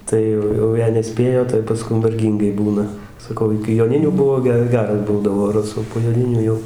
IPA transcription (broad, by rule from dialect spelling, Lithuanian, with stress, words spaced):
ˈtɐɪ jɛʊ jɛʊ ˈjɛɪ nʲɛˈsʲpʲeːjoː tɐɪ pɐˈskʊm ʋɐrʲˈɡʲiːŋɡɐɪ ˈbuːnɐ sɐˈkɐʊ ɪkʲɪ joːˈnʲɪnʲuː ˈbʊʋoː ˈɡʲɛ ˈɡʲæːrɐs ˈbuːdɐʋoː rɐˈsuː poː joːˈnʲɪnʲuː ˈjɛʊ